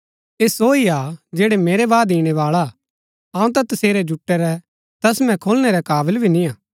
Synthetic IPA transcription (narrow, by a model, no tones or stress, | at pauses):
eːsoːiad͡ʒeːɽemeːɾebaːd̪ĩːɽ̃ɛʋaːɭa | aːũt̪̬ɛt̪ɐseːɾɛd͡ʒʊʈːɛɾɛ | t̪ɐsmɛ̃kʰoːlɽ̃eɾɛkaːbəlbʱinĩaː